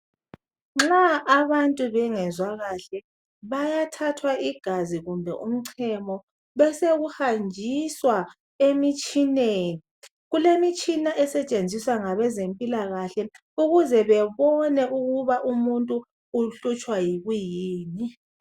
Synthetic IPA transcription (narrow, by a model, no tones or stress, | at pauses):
ŋ͡ǁaʔaβantʼuβɛŋɛzwaɣaɬɛ | βajatʰatʰwaiɡ̥ʱaziɣumbʱɛʔum̩ǀʰɛmɔ | βɛseɣuhand͡ʒʱiswa | emit͡ʃʼineːni | ɣulemit͡ʃʼinaʔɛsɛt͡ʃʼend͡zʱiswaŋaβɛzempʼilaɣaɬɛ | uɣuzɛβɛβɔnɛʔuɣuβaʔumuntʼu | uɬut͡ʃʼwajiɣwijiːni